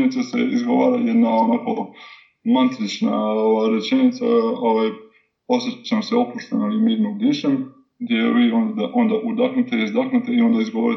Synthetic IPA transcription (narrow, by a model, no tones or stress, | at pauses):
nit̪asḛizɡo̞ʋaːɾajed̪naonako | mant̪ɾit͡ʃnaoaɾet͡ʃenit̪sa̰oʋaj | o̞sjet͡ɕemoseopuʃt̪analimiːɾnomɡd̪iʃem | ɡd̪jeʋiːond̪aʔo̞nd̪aʔud̪axnut̪eizd̪axnut̪eio̞nd̪aizɡo̞ʋoɾi